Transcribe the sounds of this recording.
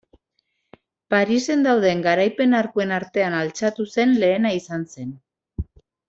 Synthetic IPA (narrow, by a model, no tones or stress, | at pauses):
paɾise̞nd̪awðe̞ŋɡaɾajpe̞naɾkue̞naɾt̪e̞analt͡sat̪use̞nle̞ːnaisanse̞n